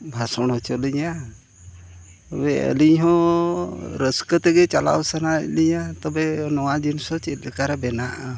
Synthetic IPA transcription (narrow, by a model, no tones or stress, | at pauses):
bʱasɔɽ̃ɦɔt͡ʃɔliɲa | t̪ɔbɛə̰liɲɦɔ̃ | ɾəskət̪ɛɡɛt͡ʃala̰wsanaliɲat̪ɔbɛnɔwad̪insɔt͡ʃɛt̪kaɾɛbɛnaʔa